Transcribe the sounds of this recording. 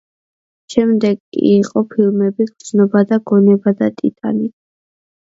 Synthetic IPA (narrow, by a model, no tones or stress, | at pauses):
ʃɛmd̪ɛɡkʼːḭːqʼɔpʰilˠmɛbiɡ̪znɔbad̪aɡɔnɛbad̪at̪ʼḭt̪ʼa̰ni